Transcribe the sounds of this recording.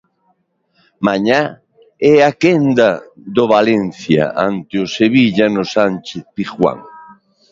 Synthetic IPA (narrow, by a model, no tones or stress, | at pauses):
maɲa | ɛakend̪ɐd̪oβalɛnθja̰ʔa̰nt̪ɪʊseβiʎanʊsant͡ʃeθpixwa̰ŋ